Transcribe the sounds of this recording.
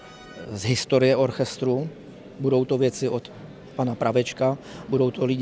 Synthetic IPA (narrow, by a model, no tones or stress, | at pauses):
zɦɪst̪o̞ɾɪjɛʔo̞ɾxɛst̪ɾu | budowt̪o̞vjɛt͡sɪʔot̪ | panapɾavɛt͡ʃkabudo̞wt̪o̞lɪɟ